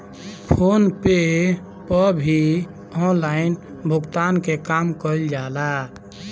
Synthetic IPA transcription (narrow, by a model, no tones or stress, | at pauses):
pʰonpe | pəbʱi | ɔ̃nlain | bʱukt̪ankekamkəld͡ʒala